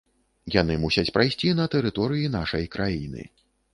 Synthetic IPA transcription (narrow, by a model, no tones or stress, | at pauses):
jan̪ɨmusʲɐt͡sʲpɾajsʲt͡sʲinɐt̪ɛɾɨt̪ɔɾɨjin̪aʂɐjkɾʔajinɨ̰